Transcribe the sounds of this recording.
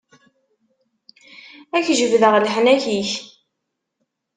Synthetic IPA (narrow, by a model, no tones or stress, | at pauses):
æçʒəvðəʁlħnæçiç